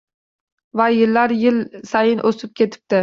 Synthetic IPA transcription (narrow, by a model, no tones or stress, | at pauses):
vajɪlːaɾjɪlsajɪnʔɵsɪp̚kʲʰe̞t̪ʰɪ̥p̚t̪ɪ